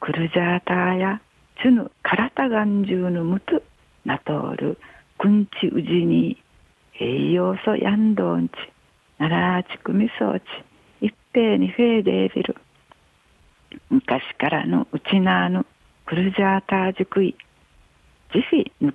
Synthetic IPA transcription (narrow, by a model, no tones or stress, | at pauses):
kɯ̟ɾɯ̟d͡ʑaːt̪aːja | t͡ɕɨnɯ̰kʰaɾat̪aɡaɲd͡ʑɨːnɯmɯ̟tɨ | nat̪o̰ːɾɯ̰ | kɯ̃ɲt͡ɕiʔɯʑiɲiː | eijoːso̰jʔand̪oːɲt͡ɕi̥ | naɾaɾat͡ɕi̥kɯmʲiso̰ːt͡ɕi̥ | ipːe̞ːɲiɸe̞ːd̪ḛːbʲḭɾɯ̰ | mɯ̟kaɕi̥kaɾa̰no̰ʔɯt͡ɕinaːnɯ | kɯɾɯ̟ʑaːt̪aːd͡ʑɨkɯ̟i | d͡ʑiɸʲinɯ